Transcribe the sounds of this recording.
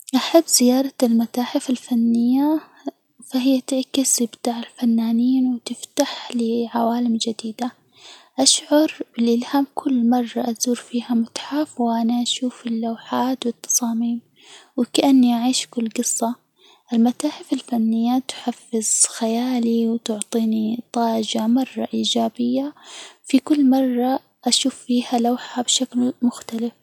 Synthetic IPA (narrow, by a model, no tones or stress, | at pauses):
ʔaħabːz̥ɪjɑːɾˤɑlmat̪aːħɪfalfanːɪjːa | faɦɪjːat̪ɪʕkɪsɪbt̪aːʕɪlfanːaːniːnwɪt̪ɪft̪aħlɪʕawaːlɪmd͡ʒad̪iːd̪a | ʔaʃʕʊɾˤbɪlʔɪlhaːmkʰʊlːmɑrˤːɑʔazuːɾfiːhamʊt̪ħafwʔanaʔaʃuːfɪlːawħaːt̪wɪt̪ːɑ̥sˤɑːmiːm | wɪkaʔanːiʔaʕiːʃkʊlːɡɨsˤːɑ | ʔɪlmat̪aːħɪfɪlfanːɪjːat̪ħafːɪz̥xajaːliwt̪ʊʕt̪ˤiːnit̪ˤɑːd͡ʒamɑrˤːɑ̰ʔiːd͡ʒaːbɪjːafikʊlːmɑrˤːɑ | ʔaʃuːfːiːhalawħabʃaklmʊxt̪alɪf